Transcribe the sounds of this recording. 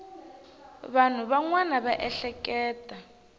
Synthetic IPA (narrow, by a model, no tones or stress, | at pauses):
βan̤uβaŋwanaβaʔɛɬɛkɛːtʼa